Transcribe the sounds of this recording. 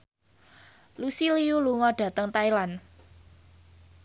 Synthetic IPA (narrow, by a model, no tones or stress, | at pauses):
lusiliuluŋɔɖ̥ä̤t̪əŋt̪ailan